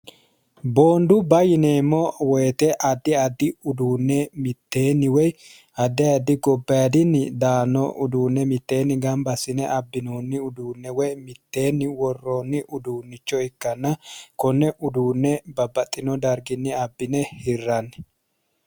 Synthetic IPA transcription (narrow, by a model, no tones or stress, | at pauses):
bo̞ːnd̪ʊbɐjɪne̞ːmːɔwɔjt̪ɛʔɐd̪ːɪɐd̪ːɪʊd̪uːnːɛmɪt̪ːe̞ːnːɪwɔj | ɐd̪ːɛɐd̪ːɪɡɔbːɐjɐd̪ɪnːɪd̪aːnːɔ̰ʊ̰d̪uːnːɛmɪt̪ːe̞ːnːɪɡɐmbɐsːɪnɛʔɐbːɪnoːnːɪʊd̪uːnːɛwɔjmɪt̪ːe̞ːnːɪwɔrːoːnːɪʔʊd̪uːnːɪt͡ʃːɔɪkːɐnːɐkɔnːɛʔʊd̪uːnːɛbɐbːɐt̪ʼːɪnɔd̪ɐɾɡɪnːɪɐbːɪnɛhɪrːɐnːɛ